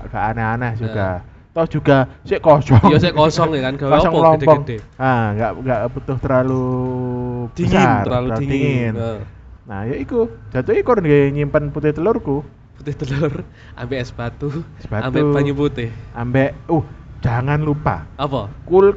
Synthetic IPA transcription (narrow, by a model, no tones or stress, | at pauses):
ʔɡ̥aʔanɛanɛhd͡ʒuɡ̥a | t̪ɔdʒ̥ṳɡ̥aseʔkɔsɔŋoseʔkɔsɔŋkanɡ̥aasəŋlɔmpɔŋdeaŋɡaʔŋɡaʔput̪ʊht̪əɾalu | b̪əaraalut̪iŋɪn | nahjoiku̥d͡ʒ̥a̤t̪ʊikuɾndeɲimpənput̪ɪht̪əlʊrku | put̪ɪht̪əlʊr | ambɛʔsəb̥at̪usəb̥at̪uaɲuput̪ɪhambɛʔuhd͡ʒ̥aŋanlupa̰ɔpɔkul